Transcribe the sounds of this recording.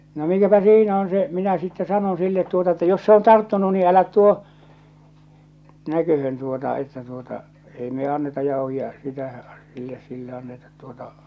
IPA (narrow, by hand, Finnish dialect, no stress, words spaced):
no mikæpæ siːnæ on se minæ sitːe sɑnon silːet tuotɑ etːæ jos se on tɑrtːunu niː ælæt tuo nækøhøn tuotɑ etːæ tuotɑ ei me ɑnːetɑ jɑˑohiɑ sitæ silːes silːe ɑnːetɑt tuotɑ